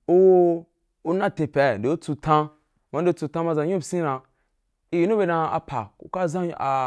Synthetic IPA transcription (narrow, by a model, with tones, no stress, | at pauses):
o˦wo˦ | u˦nã˦˨tẽ˨pʲe˨de˨u˦t͡su˧tʰã˧ | ma˨n˦e˦t͡su˧tã˦ma˧zã˨ɲũ˦bsĩ˦nã˧ | i˦ji˨˦nu˦be˧na˧a̰˨pʰa˨ṵ˨ka˦zã˦a˨